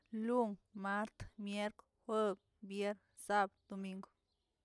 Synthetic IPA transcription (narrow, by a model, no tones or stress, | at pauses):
luŋmaɾt̪mjeɾk | hwəb̚ | bjeɾ | sabd̪̥omiŋɡo̥